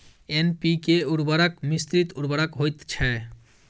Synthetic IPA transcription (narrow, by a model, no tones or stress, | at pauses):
enpikeuɾbaɾakmist̪ɾit̪uɾbaɾakɦojt̪t͡ʃʰɛ